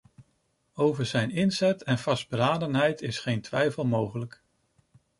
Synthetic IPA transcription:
owvəɹzɛjnɪnzɛtɛnvɑsd̚bəɾaːdənɦɛjtɪsχejntʋɛjfəlˠmowχələk

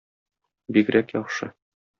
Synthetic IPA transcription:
bikɾækjɒχʃɤ

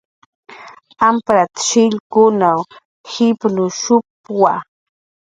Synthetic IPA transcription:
ampɾat̪ʃɪʎkʊnaw | hɪpnʊʃʊpwa

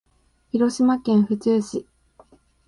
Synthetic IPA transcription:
çiɾo̞ɕimakẽ̞ɰ̃ɸɯ̟t͡sɨːɕi

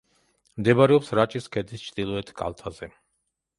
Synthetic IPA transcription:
md̪ɛbaɾɛɔpsɾat͡ʃʼiskʰɛd̪ist͡ʃʰd̪̥ilˠɔɛt̪ʰkʼa̰lˠt̪ʰazɛ

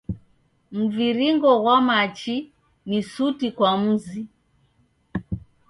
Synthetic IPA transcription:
m̩viɾiŋɡɔɣwamat͡ʃi | nisutikwam̩zi

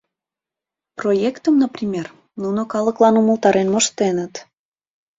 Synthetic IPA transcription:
projekt̪əmnəprʲimʲer | nunokɑləklɑnuməlt̪ɑɾenməʃt̪enət̪

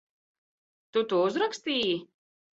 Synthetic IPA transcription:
t̪ut̪uːuzɾakst̪iːji

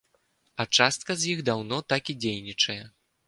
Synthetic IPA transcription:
ɐt͡ʂast̪̚kɐzʲjiɣd̪awnɔt̪akid͡zʲejnʲit͡ʂɐjɛ

